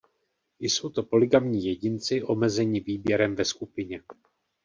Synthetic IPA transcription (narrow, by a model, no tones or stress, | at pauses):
ɪjso̞wt̪o̞po̞lɪɡamɲiːjɛɟɪnt͡sɪʔo̞mɛzɛɲɪviːbjɛɾɛmvɛskupɪɲɛ